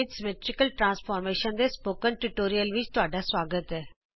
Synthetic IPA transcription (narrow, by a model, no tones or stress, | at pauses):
ɪsmeːʈɾɪkəlʈɾãːnspʰɔːɾmeːʃənd̪eːspoːkənʈuʈoːɾijəlʋɪt͡ʃt̪ʊaːɖaːsʋaːɡət̪ɛː